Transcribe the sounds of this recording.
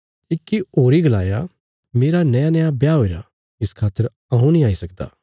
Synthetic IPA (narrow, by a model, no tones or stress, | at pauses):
ɪkːioːɾiɡɐlaːja̰ | meːɾanɐjanɛjabjaːɦoːiɾa̰ | ɪskʰaːt̪ːəɾ | ɐ̃ɦũnĩaːisɐkd̪a̰ː